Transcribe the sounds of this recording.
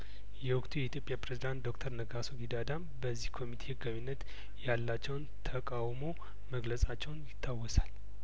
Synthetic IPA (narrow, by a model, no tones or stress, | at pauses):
jɛwʊkt̪ʰujɛit̪jo̞pʼjapɾezid̪ant̪̚d̪o̞kt̪ʰəɾnəɡasoɡid̪ad̪am | bəzːihkʰo̞mit̪ʰe̞hɨɡaβinːət̪ | jalːat͡ʃːɛwnt̪ʰəkʼawmo̞ | məɡləsʼat͡ʃːɛwnjɪt̪ʰːawːɔsal